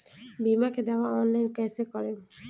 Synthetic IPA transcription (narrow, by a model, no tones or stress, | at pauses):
bimaked̪awaɔnlajnkɛsekɔɾe